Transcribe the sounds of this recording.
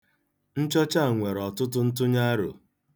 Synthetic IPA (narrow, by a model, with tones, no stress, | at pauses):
n̩˦t͡ʃɔ˦t͡ʃa˦˨ŋʷe˨ɾɔ˨tʊ˦tʊ˦n̩˦t̬ʊ˦ɲa˦ɾo̰˨